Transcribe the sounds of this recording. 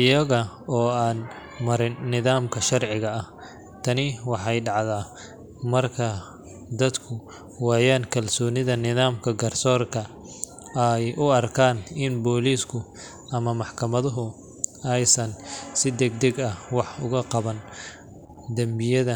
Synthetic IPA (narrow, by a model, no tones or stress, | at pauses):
ʔɪjɐɣɐɔːaːn | mɐɾɪnːɪðaːmkʰɐʃɐrʕɪɣɐɐh | t̪ʰɐnɪwɑħɑjɖɑʕðaː | mɐrkʰɐ | d̪ɐd̪kʰʊ | waːjaːnkʰɐlsɔːnɪðɐnɪðaːmkʰɐɡɐrsɔːrkʰɐ | ɛjʔʊɐrkʰaːnɪnbɔːliːskʰʊ | ʔɐmɐmɑħkʰɐmɐðʊɦʊ | ɛjsɐnsɪd̪ɛɡ̚d̪ɛɡɐwɑħʊɣɐqɑβɐn | d̪ɐmbɪjɐðɐ